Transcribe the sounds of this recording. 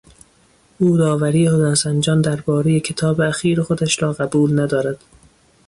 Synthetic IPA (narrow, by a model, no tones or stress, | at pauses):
ʔuːd̪ɒːvæɾiːehod̪æːnsænd͡ʒɒːnd̪æɾbɒːɾeje̞kʰe̞t̪ʰɒːbeæxiːɾexod̪æʃɾɒːɣæbuːlnæd̪ɒːɾæd̪̥